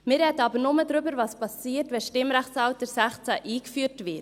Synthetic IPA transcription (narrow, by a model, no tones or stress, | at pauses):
mɪɾɛdəɑbəɾnʊməd̪ɾʏbəɾvɑspɑsiːəɾtvʋɛʃtɪmɾæχtsɑʊtəɾsæχt͡sæʔiːkfyːɾtvɪt